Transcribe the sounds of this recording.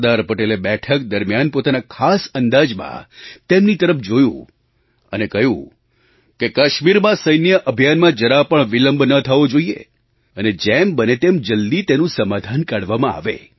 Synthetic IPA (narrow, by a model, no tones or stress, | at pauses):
d̪aɾpəʈelebɛʈʰək̚d̪əɾmjanpot̪anakʰasənd̪ad͡ʒmã̰t̪emnit̪əɾəfʰd͡ʒojṵ̃ | ə̰nekəjṵ̃ | kekaʃmiɾmãsəjnjəʔəbʱijanmãd͡ʒəɾapəɳʋiləmbʱnət̪ʰəʋod͡ʒoiḛ | əned͡ʒembənet̪emd͡ʒəld̪it̪enũsəmad̪ʱankaɽʋamãa̰ʋḛ